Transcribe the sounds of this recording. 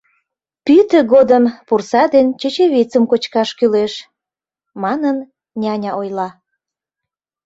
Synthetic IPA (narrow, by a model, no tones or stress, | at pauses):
pyt̪əɣod̪əmpursɑd̪ent͡ɕet͡ɕeβit͡səmkot͡ɕkɑʃkyleʃ | mɑnən | nʲɑnʲɑʔojlɑ